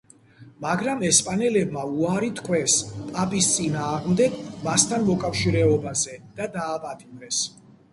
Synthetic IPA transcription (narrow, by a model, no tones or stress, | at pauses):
maɡɾamɛspʼanɛlɛbmauaɾit̪ʰkʰwɛspʼapʼist̪sʼinaːʁmd̪ɛɡmast̪ʰanmɔkʼafʃiɾɛɔbazɛd̪̥ad̪aːpʼat̪ʼimɾɛs